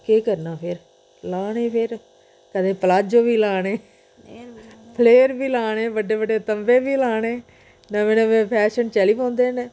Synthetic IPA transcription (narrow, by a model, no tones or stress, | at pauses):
keːkəɾnaːpʰɪɾ | laːneːpʰɪɾ | kəd̪ẽːpəlaːd͡ʒoːbiːlaːɽ̃eː | pʰəleːɾbiːlaːneːbəɖːeːbəɖeːt̪əmbeːbiːlaːɽeː | nãːmẽːnẽːmẽːpʰɛːʃənt͡ʃɛliːpõːnd̪eːneː